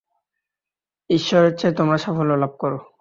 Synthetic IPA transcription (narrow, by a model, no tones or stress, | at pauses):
iʃːɔɾet͡ɕʰet̪omɾaʃafololab̚kɔɾo